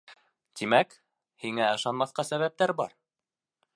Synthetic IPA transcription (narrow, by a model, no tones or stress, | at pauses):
t̪imæk | hiŋæɤ̆ʃɑnmɑθqɑsæβæp̚t̪æɾbɑ̰ɾ